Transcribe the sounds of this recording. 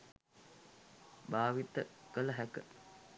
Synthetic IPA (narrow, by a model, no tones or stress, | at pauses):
baːʋit̪əkələɦækə